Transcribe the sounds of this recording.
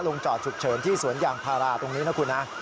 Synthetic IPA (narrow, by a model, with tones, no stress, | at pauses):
lo˧ŋt͡ɕɔː˨˩t̪̚t͡ɕʰu˨˩k̚t͡ɕʰɤː˩˦nt̪ʰiː˥˩su˩˦ənjaː˨˩ŋpʰaː˧ɾaː˧t̪o˧ŋniː˦˥na˦˥kʰu˧nːa˦˥